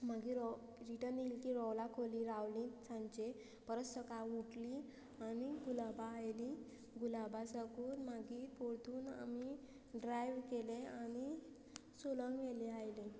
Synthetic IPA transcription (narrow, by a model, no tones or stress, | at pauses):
m̤aɡiɾɔ | ɾiʈəɾniːlkiɾɔwlakʰoliɾawlĩt͡sʰãɲt͡ɕe | pəɾəsəkauʈli | aniɡulabaːjlĩ | ɡulabasəkuːnmaɡiːpoɾt̪uːna̰mi | ɖɾajʋkelẽañi | soləŋɡʋeliajlẽ